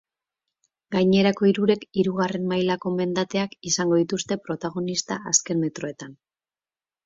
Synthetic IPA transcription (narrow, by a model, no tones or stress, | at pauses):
ɡajɲe̞ɾako̞iɾuɾe̞kiɾuɣ̞are̞nmajlako̞me̞nd̪at̪e̞akisaŋɡo̞ðit̪ust̪e̞pɾo̞t̪aɣ̞o̞nist̪aʔaske̞nme̞t̪ɾo̞e̞t̪an